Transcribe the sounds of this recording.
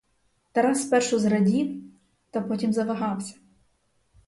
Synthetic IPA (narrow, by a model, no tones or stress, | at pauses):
t̪ɛɾɑspɛrʃʊzɾɐdʲiw | t̪ɐpɔtʲimzɐʋɐɦɑwsʲɐ̥